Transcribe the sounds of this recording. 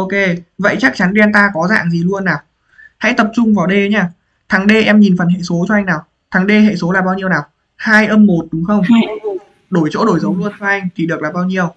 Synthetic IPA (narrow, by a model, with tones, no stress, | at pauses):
ʔo˧ke˧və̰˧˨jt͡ɕa˦˥k̚t͡ɕa˨˦nɗɛ˧nt̪aː˧kɔ˨˦za̰ː˧˨ŋzi˨˩lu˧ənːaː˨˩w | ha̰˧˥jt̪ə˨˩p̚t͡ɕʊ˧ŋ͡mvaː˨˩wɗe˧˨˦ɲaː˧˩ | t̪ʰaː˨˦ŋɗe˧ʔɛ˧mɲi˨˩nfə˨˩nɦḛ˧˨so˨˦t͡ɕɔ˧ʔa˧jŋ̟naː˨˩w | t̪ʰaː˨˦ŋɗe˧ɦḛ˧˨so˨˦laː˨˩ɓaː˧wɲi˧əwnaː˨˩w | haː˧jʔəː˧mːo˨˩t̚ɗʊ˨˦ŋ͡mxə˧wŋ͡m | ɗo˧˩jt͡ɕo̰˧˥ɗo˧˩jzə˨˦ŋ͡mlu˧ənt͡ɕɔ˧ʔa˧jŋ̟t̪ʰi˨˩ɗɨ˨˩klaː˨˩ɓaː˧wɲi˧əw